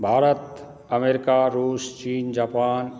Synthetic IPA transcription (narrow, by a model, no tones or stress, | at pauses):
bʱaːɾət̪ | əmeːɾɪkaɾuːst͡ʃiːnd͡ʒaːpaːn